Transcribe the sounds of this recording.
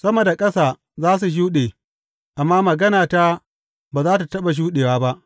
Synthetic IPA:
sɐ˦mo˨da˨kʼɐ˦saː˨ | zaː˦s̬u˨ʃ̬uː˦ɗeː˨ | ʔa˨mːaː˦mɐ˨ɡɐ˦naː˨ta˦ | baː˨zaː˦ta˨tɐ˦ɓa˨ʃ̬uː˦ɗeː˨waː˦ba˦ʔ

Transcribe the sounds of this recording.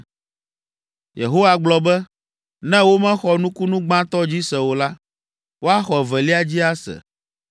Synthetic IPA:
jḛ˨ɦo˦wa˨ɡ͡blɔ˨bɛ˦ | nɛ̃˦wo˦mɛ̃˦xɔ˨nũ˦ku˦nũ˦ɡ͡bã˦t̪ɔ˦d͡ʑi˦sɛ˨wo˨la˦ | wo˦a˦xɔ˨ɛ˨vɛ˨li˦a˦d͡ʑi˦a˦sɛ̰˨

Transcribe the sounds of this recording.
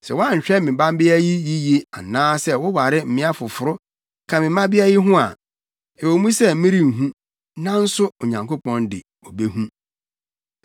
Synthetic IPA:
sɛ̰˨wɔ˦a˦ɲ̩˨ɕᶣɛ˦mɪ̃˨bã˦m˦bɪ˦æ˦ji˦ji˦je˦a˨nãː˦sɛ˦wʊ˦wa˨ɾɪ˦m̩˨mɪ̃˦a˦fʊ˨fʊ˨ɾʊ˦ | kʰã˨mɪ̃˨˦mã˦bɪ˦æ˦jɪ˦ɦʊ̃˦a̰˨ | ɛ˨wo˨˦mũ˦sɛ˦mĩ˦ɾi˦ŋ̩˨ɦũ˦ | nã˦n̩˦sʊ˦o˨ɲã˨ŋko˦pɔ̃˦ndɪ̰˨ | o˨be˦ɦũ˦

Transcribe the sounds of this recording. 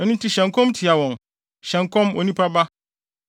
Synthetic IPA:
ɛ˦nũ˦tʰi˦ɕɛ̃˨ŋkʰɔ̃˦mtʰɪ˨a˨wɔ̃˨ŋ | ɕɛ̃˨ŋ˨kʰɔ̃˦mo˨nĩ˦pʰɾa˦ba˦

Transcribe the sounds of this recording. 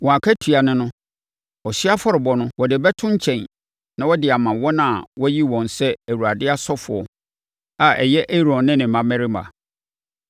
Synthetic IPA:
wɔ̃˨a˨kʰa˦tʰi˨a˨nɪ̃˦nʊ̃˦ | ɔ˨ɕi˦a˦fɔ˦ɾɪ˨bɔ˨nʊ̃˦wɔ˨dɪ˨bɛ˦tʰʊ̃˦ɲ˦t͡ɕʰɛ̃˨n | nã˦wɔ˦dɪ˨a˨mã˨wɔ˦nã˦˨wɔ˦ji˦wɔ̃˨n˨sɛ˦æ˨wu˨ɾa˨dɪ˦a˦sɔ˦fʊ˨ɔ˨ | a˨ʔɛ̰˨jɛ˦ʔe˦ɾɔ̃˨nnːɪ̃˦nɪ̃˨mã˨mɛ̃˦ɾɪ˦mã̰˨

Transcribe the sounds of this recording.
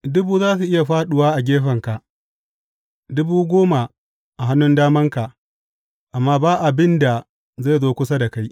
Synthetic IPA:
dʊ˦buː˦zaː˦s̬u˨ʔɪ˦ja˨ɸaː˦ɗʊ˨waː˦ʔa˨ɡʲeː˦ɸɐ˨ŋka˨ʔ | dʊ˦buː˦ɡʷoː˦ma˨ | ʔa˨ɦa˦nːʊ˦ndaː˦mɐ˦ŋka˨ | ʔa˨mːaː˦baː˦ʔa˨bɪ˦nda˨ | za˦˨zoː˦kʷʊ˦sa˦da˨ka˦j

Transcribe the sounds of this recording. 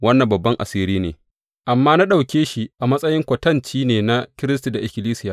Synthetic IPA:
wɐ˦nːɐ˨mbɐ˨bːɐ˦ŋʔa̰˨siː˦ɾiː˦nḛː˨ | ʔa˨mːaː˦na˦ɗa˨wkʲeː˦ʃi˨ʔa˨mɐ˦sʼɐ˦jɪ˦ŋkʷɐ˨tɐ˦nt͡ʃiː˦neː˨na˦kʲɪ˦ɾɪ˦s̬ti˨da˨ʔɪ˨kʲɪ˨liː˦sɪ˦jaː˨

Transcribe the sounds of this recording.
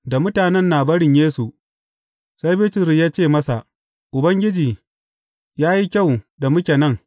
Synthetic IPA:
da˨mʊ˦taː˨nɛ˦˨nːaː˨bɐ˦ɽɪ˨ɲjeː˦su˨ | sa˦jbiː˦tɪ˨ɾi˨jaː˦t͡ʃeː˦˨mɐ˦sa˨ʔ | ʔʊ˨bɐ˦ŋɡʲɪ˦d͡ʒiː˨ | jaː˦ji˦kʲa˦˨wda˨mʊ˦kʲe˨nɐ˦˨ŋ

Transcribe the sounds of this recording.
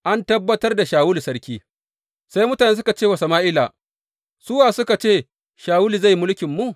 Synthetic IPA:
ʔa˦ntɐ˦bːɐ˦tɐ˦rda˨ʃaː˨wʊ˦li˨sɐ˦ɽkʲiː˦ | sa˦jmʊ˦ta˨neː˦s̬ʊ˦ka˨t͡ʃeː˦˨wɐ˨sɐ˨maː˦ʔɪ˦laː˨ | sʊ˦waː˨sʊ˦ka˨t͡ʃeː˦˨ | ʃaː˨wʊ˦li˨za˦˨jmʊ˦lkʲɪ˨mːu˦ʔ

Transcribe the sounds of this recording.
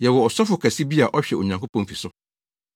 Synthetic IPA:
jɛ˨wɔ˨ɔ˨sɔ˦fʊ˨kʰæ˨si˦bi˦a˨ʔɔ˦ɕᶣɛ˨o˨ɲã˨ŋkʰo˦pʰɔ̃˦n˦fi˨sʊ˦

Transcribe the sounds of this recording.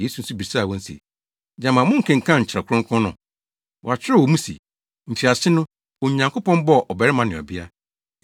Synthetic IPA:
je˦su˨n̩˦su˦bi˨saː˦˨wɔ̃˦n̩˦sḭ˨ | d͡ʑã˦mã˨mʊ̃˦ŋ̩˨kʰɛ̃˨ŋ̩˨kʰã˦˨ɲ̩˨t͡ɕʰɪ˨ɾa˨kʰʊ̃˦ŋkʰʊ̃˦nʊ̰̃˨ | wɔ˨a˨t͡ɕʰᶣɪ˦ɛ˦˨wɔ˨mũ˦sḭ˨ | ɲ̩˨t͡ɕʰɪ˨a˨ɕɪ˦nʊ̃˦ | o˨ɲã˨ŋkʰʊ˦pʰɔ̃˦mbɔ˦˨ʔɔ˨bɛ˨ɾɪ˦mã˨nɪ̃˨ɔ̰˨bɪ˦a̰˦

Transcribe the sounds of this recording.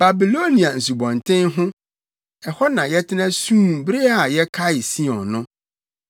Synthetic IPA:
b̥a˨bi˨lo˦nĩ˨a˨n̩˨su˨bɔ̃˨ntʰɪ̃˦nɦʊ̃˦ | ɛ˨hɔ˦nã˨jɛ˦tʰɪ˦nã˦sũ˦˨bɾe˦a˨jɛ˦kʰa˦ɪ˨si˦ɔ̃˨nʊ̃˦

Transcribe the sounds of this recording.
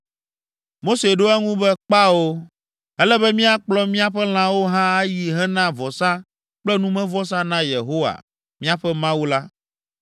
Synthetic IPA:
mo˦se˨ɖo˦ɛ˦ŋũ˦bɛ˦k͡pa˦wo˦ | ɛ˦lɛ˦bɛ˦mĩ˦a˨k͡plɔ˦mĩ˦a˨ɸɛ˦l̃ã˦wo˦ɦã˦a˦ji˨ɦɛ˦nã˦vɔ˨sã˦ | k͡plɛ˦nũ˦mɛ̃˦vɔ˦s̬ã˦nã˦je˨ɦo˦wa̰˨ | mĩ˦a˨ɸɛ˦mã˦wu˦la˦

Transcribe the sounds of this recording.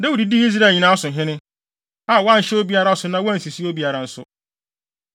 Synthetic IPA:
da˦wu˨di˨di˦i˦s̬ɾa˨ɲĩ˨nãː˦sʊ̃˨ɦɪ̃˦nɪ̃˦ | a˦˨wã˦n̩˨ɕɛ˦o˦bi˦a˦ɾa˦sʊ˨nã˦wɔ˦æ˦n˨si˨si˦o˦bi˨a˨ɾa˨n̩˦sʊ̰˦

